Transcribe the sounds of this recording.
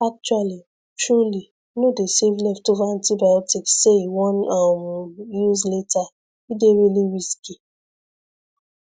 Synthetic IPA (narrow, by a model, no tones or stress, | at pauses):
ak̚t͡ʃwali | tɹuli | nodesevlɛftovaãntibajɔtikseiwɔ̃namjizleta | ideɾiliɹiski